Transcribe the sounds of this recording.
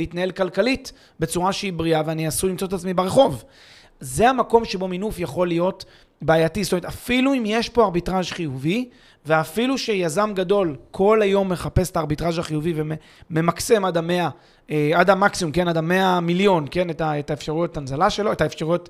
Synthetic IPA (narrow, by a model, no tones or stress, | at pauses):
eit̪nae̞lkalkalit | be̞t͡suʁaʃeibʁiaveaniasulimt͡sotetat͡smibeʁe̞χo̞v | ze̞amako̞mʃe̞bo̞minufjaχo̞lijo̞t | baajatistometafiluimjeʃpo̞aʁbitʁaʒχijuvi | veafiluʃe̞jazamɡado̞lkʰo̞lajo̞mːe̞χape̞staːʁbitʁaʒaχijuviveme | me̞makse̞madame̞a | eadamaksiumke̞nadame̞amiljo̞nke̞netaetaefʃaʁujotanzalaʃe̞lo̞etaefʃaʁujot